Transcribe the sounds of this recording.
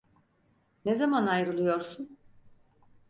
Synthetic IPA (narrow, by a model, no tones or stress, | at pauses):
nezamanajɾɯlˠɯjo̞ɾsun